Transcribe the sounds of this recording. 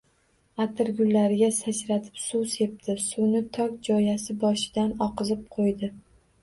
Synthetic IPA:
at̪ʰɪɾɡʲʊlːaɾɪɡʲasat͡ʃɾat̪ʰɪ̥psuse̞p̚t̪ʰɪsunɪt̪ʰɒk̚ʲd͡ʒɒjasɪbɒʃɪd̪anɒqɨzɪp̚qʰojd̪ɪ

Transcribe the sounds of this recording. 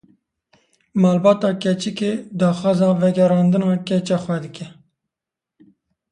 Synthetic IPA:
mɑːlbɑːt̪ɑːkɛt͡ʃikeːd̪ɑːxɑːzɑːvɛɡɛɾɑːnd̪ɨnɑːkʲɛt͡ʃɑːxwɛd̪ɨkʰʲɛ

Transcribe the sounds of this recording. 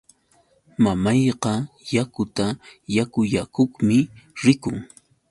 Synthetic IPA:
mamɑjqɑ | jakʊt̪ajakʊjakoχmɪɾɪkʊŋ

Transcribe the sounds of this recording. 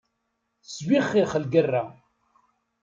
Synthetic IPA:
swiχːiχəlɡərːa

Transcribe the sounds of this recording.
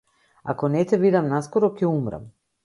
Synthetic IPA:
a̰kɔnɛt̪ɛvid̪amnaskɔɾɔcɛumɾa̰m

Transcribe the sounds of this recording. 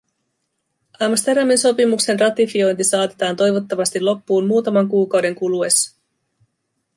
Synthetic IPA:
ɑmst̪e̞ɾɑminso̞pimukse̞nrɑt̪ifio̞jnt̪isɑːt̪i̥t̪ɑːnt̪o̞jʋo̞t̪ːɑʋɑst̪ilo̞pːuːnmuːt̪ɑmɑŋkuːkɑwde̞ŋkulue̞sːɑ̥

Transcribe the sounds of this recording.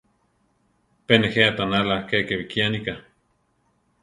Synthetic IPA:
peneheat̪analakekeβikianika

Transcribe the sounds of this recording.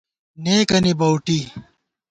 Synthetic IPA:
neːkɐnibɐwʈi

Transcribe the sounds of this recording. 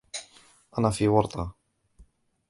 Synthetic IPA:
ʔanafiːwɑɾˤt̪ˤʰɑ

